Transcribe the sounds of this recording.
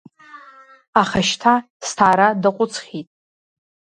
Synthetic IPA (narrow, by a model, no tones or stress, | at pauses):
aχaʃtʰa | stʰaːɾadaqʷʼʊt͡sʰχʲitʼ